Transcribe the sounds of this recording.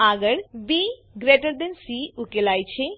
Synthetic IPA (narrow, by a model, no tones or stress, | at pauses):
aːɡəɽbi | ɡɾeʈəɾd̪ensiukelaːjt͡ʃʰe